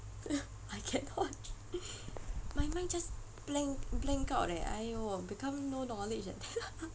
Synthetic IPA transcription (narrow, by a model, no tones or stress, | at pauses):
ajkʰɛnɔt̚ | majmãŋd͡ʒas | b̥lɛ̃ŋblɛ̃ŋkaʊtɛ̰a̰jbikãmnonɔlɪd͡ʒɛ̰dɛ